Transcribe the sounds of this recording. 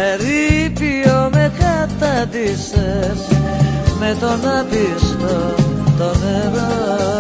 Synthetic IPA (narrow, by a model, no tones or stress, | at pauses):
eɾipiomekat̪ɐd̪ises | met̪onaðistot̪oneɾo